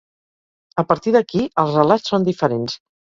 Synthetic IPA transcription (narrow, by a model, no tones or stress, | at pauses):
əpəɾt̪iðəkiəlˠzrəlat͡ssːond̪ifəɾens